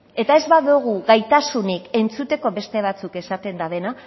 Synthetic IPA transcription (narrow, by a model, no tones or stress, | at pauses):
e̞t̪ae̞zβaðuɣ̞uɣajt̪asunike̞nt͡sut̪e̞ko̞βe̞st̪e̞β̞at͡suke̞sat̪e̞nd̪aðe̞na